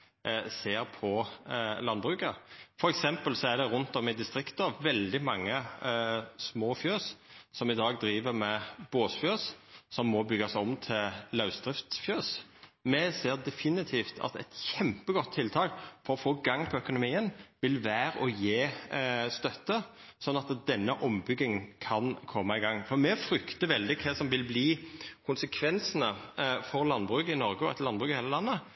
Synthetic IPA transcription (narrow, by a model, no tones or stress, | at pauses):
seːɾpʰɔlɑnbʁʉːkəfɔɾɛksɛmpəlsɔæɖ̪ɛɾʉnt̪ɔmɪd̪ɪst̪ɾɪkt̪əʋɛld̪ɪmɑŋːə | smoːfjøːssɔmɪd̪ɑːɡd̪ɾiːʋəɾmɛboːsfjøːssɔmːɔbʏɡɑsɔmt̪ʰɪllɑʉsd̪ʁɪft̪sfjøːsmɛseːɾd̪ɛfɪnɪt̪ʰiːft̪ʰɑ̰t̪ɛt̪çɛmpəɡɔt̪ʰːɪlt̪ʰɑːkfɔʁɔfoːɡɑŋːpʰɔœkʊnʊmiːənʋɪlʋæːɾɔjeːst̪œt̪ːə | sɔnːɑt̪d̪ɛnːəʔɔmbʏɡɪŋkʰɑnkʰɔmːɑɪɡɑŋːfɔʁmɛfɾʏkt̪əʋɛld̪ɪkʰɛsɔmʋɪlbliːkʰʊnsəkʰʋɛnsənəfɔɾlɑnbʁʉːɡɪnɔʁɡəɔɛ̰t̪lɑnbʁʉːɡheːləlɑnːə